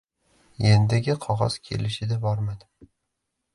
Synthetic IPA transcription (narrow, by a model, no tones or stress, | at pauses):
jend̪ɪɡʲɪqʰɒʁɒ̰z̥kʲʰe̞̰lɪʃɪd̪abɒɾmad̪ɪ